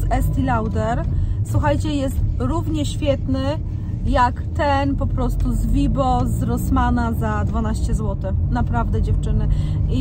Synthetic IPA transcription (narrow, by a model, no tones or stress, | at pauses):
ɛst̪ilawd̪ɛɾswuxajt͡ɕɛjɛst̪ɾuvɲɛɕfʲjɛt̪nɘ | jakt̪ɛnpɔpɾɔst̪uzvʲibɔzɾɔsmanazad̪vanaɕt͡ɕɛzwɔt̪ɘxnapɾavd̪ɛd͡ʑɛft͡ʂɘnɘ | i